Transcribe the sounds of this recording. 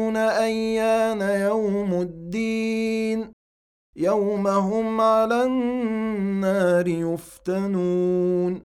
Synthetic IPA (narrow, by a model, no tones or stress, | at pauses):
naʔajːaːnajawmad̪ːiːn | jawmaɦʊmʕalanː | aːɾɪjʊft̪anuːn